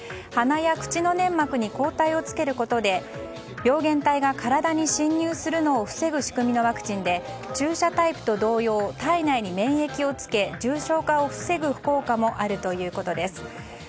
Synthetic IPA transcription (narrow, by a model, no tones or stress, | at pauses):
hanajakɯ̟̥t͡ɕino̞nẽ̞mːakɯ̟ɲ̟iko̞ːt̪aio̞t͡sɨ̥ke̞ɾɯ̟ko̞t̪o̞d̪e̞ | bʲo̞ːɡẽ̞nt̪aiɡakaɾad̪aɲ̟iɕĩɲːɨːsɨɾɯ̟no̞ːɸɯ̟̥se̞ɡɯ̟ɕi̥kɯ̟mʲino̞βakɯ̟̥t͡ɕĩnd̪e̞ | t͡ɕɨːɕat̪aipɯ̟̥t̪o̞d̪o̞ːjo̞ːt̪ainaiɲ̟imẽ̞ɰ̃e̞kʲio̞t͡sɨ̥ke̞d͡ʑɨːɕo̞ːkao̞ɸɯ̟̥se̞ɡɯ̟ɸɯ̟̥ko̞ːkamo̞ʔaɾɯ̟t̪o̞jɯ̟ːko̞t̪o̞d̪e̞sɨ̥